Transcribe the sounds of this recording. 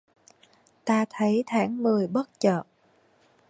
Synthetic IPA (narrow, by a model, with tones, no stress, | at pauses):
t̪aː˧t̪ʰə˨˦jt̪ʰaː˨˦ŋmɨ˨˩əjɓə˦˥t̚t͡ɕə̰ː˧˨ʔ